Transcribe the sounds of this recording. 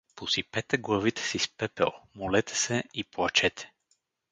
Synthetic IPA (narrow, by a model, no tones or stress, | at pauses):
posipɛt̪ɛɡlˠɐvit̪ɛ̥sispɛpɛ̰lˠmolɛt̪ɛ̥sɛiplˠɐt͡ʃɛt̪ʰɛ̥